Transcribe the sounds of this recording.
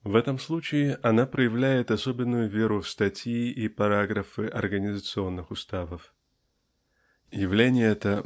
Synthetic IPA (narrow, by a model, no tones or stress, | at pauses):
vɛt̪əmslˠut͡ɕɪɪʔɐnapɾəjɪvlʲæjɪt̪ɐso̞bʲɪnːʊjʊvʲe̞ɾʊfst̪ɐtʲiʔipɐɾaɡɾəfɨʔɐ̰rɡənʲɪzət̪sɨo̞nːɨxʊst̪avəf | jɪvlʲenʲɪjəɛt̪ə